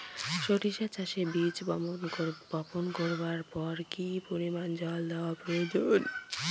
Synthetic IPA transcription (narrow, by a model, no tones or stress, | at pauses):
ʃoʈiʃat͡ɕaʃebit͡ɕ | bɔponkoɾbaɾpɔɾkipoɾimand͡ʑɔld̪ɛoapɾojod͡ʑon